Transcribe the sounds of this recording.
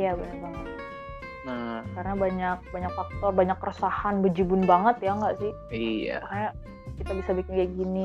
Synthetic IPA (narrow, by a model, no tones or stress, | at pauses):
jabaɲak̚baŋət̪ | nakarənabaɲak̚baɲak̚fak̚t̪ɔrbaɲakːrəsahanbəd͡ʒibʊnbaŋət̪jaŋɡaʔsɪh | ija̰kajaʔ | kit̪abisabikɪnɡaɡini